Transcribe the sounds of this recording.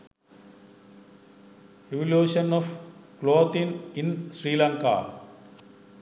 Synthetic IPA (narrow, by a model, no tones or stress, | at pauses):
eʋɔljuːʃɐnɔfkloːt̪ĩninsɾiːlãŋka̰